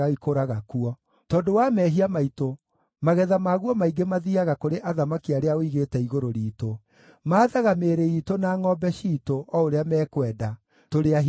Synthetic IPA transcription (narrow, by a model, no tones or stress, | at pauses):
aikoɾaɣakuɔ | tɔːndowamɛɦiamaito | maɣɛðamaːɣwɔmaiɡemaðiaɣakoɾeʔaðamakiaɾeaoiɣetɛiɣoɾoɾiːto | maːðaɣameɾeitonaŋɔbɛʃitoʔɔoɾeamɛːkwɛda | toɾea